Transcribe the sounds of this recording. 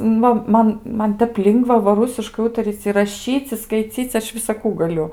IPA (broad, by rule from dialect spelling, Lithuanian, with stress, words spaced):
ˈnʊ ˈmɐn ˈmɐn ˈtʲɛp ˈlʲɪŋɡʋɐ ʋɐ ˈrʊsʲɪʃkɐɪ ˈuːtɐrʲiːt͡sʲ ɪ rɐˈʃʲiːt͡sʲ ɪ skɐɪˈt͡sʲiːt͡sʲ ˈɐʃ ʋʲɪsɐˈkuː ɡɐˈlʲʊ